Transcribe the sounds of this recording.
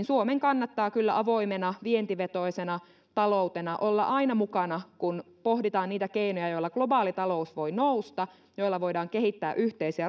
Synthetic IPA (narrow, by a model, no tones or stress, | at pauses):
nsuomeŋkɑnːɑt̪ːɑːkylːæʔɑʋo̞imenɑʋient̪iʋet̪o̞isenɑ | t̪ɑlo̞ut̪enɑʔolːɑ̰ʔɑinɑmukɑnɑkun | po̞hdit̪ɑːnniːt̪ækeinojɑjo̞ilːɑɡ̥lo̞bɑːlit̪ɑlo̞usʋo̞inoust̪ɑ | jo̞ilːɑʋo̞idɑːŋkeɦit̪ːæːʔyht̪eisiæ